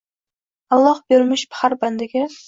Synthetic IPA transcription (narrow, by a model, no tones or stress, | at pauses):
alˠːɒhbeɾmɪʃpʰɪ̥haɾband̪ɪɡʲɪ